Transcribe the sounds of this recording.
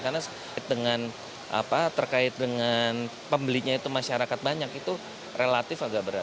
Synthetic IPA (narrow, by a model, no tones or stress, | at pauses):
kanas | ɪt̪̚dəŋan | ʔa̰pat̪ərkaɪt̪̚dəŋan | pəmbəliɲait̪umaʃaɾakat̪̚baɲakit̪u | rʔelat̪ɪfaɡaʔbəɾa